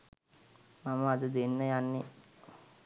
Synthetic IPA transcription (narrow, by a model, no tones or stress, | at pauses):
maməad̪əd̪enːəjanːe